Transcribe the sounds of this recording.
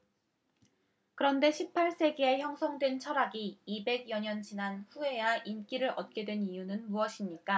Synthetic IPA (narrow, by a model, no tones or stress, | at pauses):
kɯɾʌnde̞ɕʰipʰaɭs͈e̞ɡeeçjʌŋsʰʌŋdwe̞nt͡ɕʰʌɾaɡiːbe̞ɡjʌɲʌnd͡ʑinanɸue̞jaʔink͈iɾɯɾʌt̚k͈e̞dwe̞nijunɯnmuʌɕʰimɲik͈a